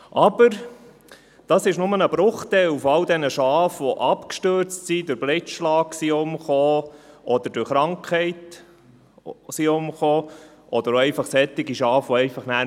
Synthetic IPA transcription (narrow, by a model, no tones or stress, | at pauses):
ʔɑb̥əɾ | d̥ɑsɪʃnʊmənəbɾʊχt̪ɛlufɑld̪ɛnəʃɑːfʋɔʔɑpkʃtøɾt͡stsidʊɾblɪtʃlɑːksiʊmχoːɔd̥̪əɾd̥ʊɾχɾɑŋkʰχɛɪt | siʊmχoː | ʔɔd̥̪əɾoɛɪfɑχsɛt̪ːɪɡiʃɑːfʋɔɛɪfɑχnæː